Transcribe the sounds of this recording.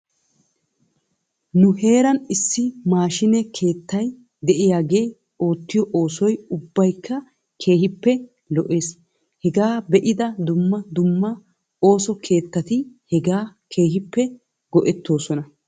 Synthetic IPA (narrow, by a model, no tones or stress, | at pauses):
nʊɦe̞ːɾɐnɪsːɪmaːʃɪnɛkʰe̞ːt̪ːɐj | d̪ɛʔɪjaːɡe̞ː | o̞ːt̪ːɪjɔʔo̞ːsɔjʊbːɐjkʰːɐ | kʰe̞ːhɪpːɛ | lɔʔe̞ːs | hɛɡaːbɛʔɪd̪ɐd̪ʊmːɐd̪ʊmːɐ | o̞ːsɔkʰe̞ːt̪ːɐt̪ɪhɛɡaːkʰe̞ːɦɪpːɛ | ɡɔʔɛt̪ːo̞ːsɔnɐ